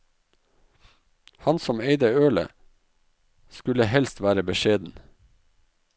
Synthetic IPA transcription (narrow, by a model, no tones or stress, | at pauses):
hɑnsɔmeɪd̪əøːlə̰ | skʉləhɛlst̪ʋæːɾəbəʃeːd̪n̩